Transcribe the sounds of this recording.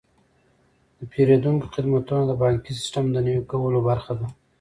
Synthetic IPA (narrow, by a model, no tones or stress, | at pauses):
d̪əpʰeɾed̪uŋko̥xɪd̪mat̪unod̪əbɑŋkis̬ɪ̥sʈamd̪ənəwekawəlobaɾxad̪a